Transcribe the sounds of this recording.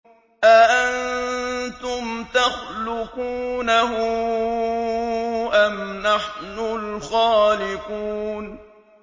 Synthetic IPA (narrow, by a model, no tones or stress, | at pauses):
ʔaʔant̪ʊmt̪axlʊquːnaɦʊ | ʔamnaħnʊlxaːlɪquːn